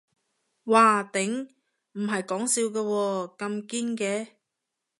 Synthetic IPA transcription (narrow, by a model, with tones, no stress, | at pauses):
waː˨t̪ɪ˨˥ŋ | m̩˨˩ɦɐ˨jkɔː˨˥ŋsiː˧wkɛː˧wɔː˧kɐ˧mkiː˥nkɛː˧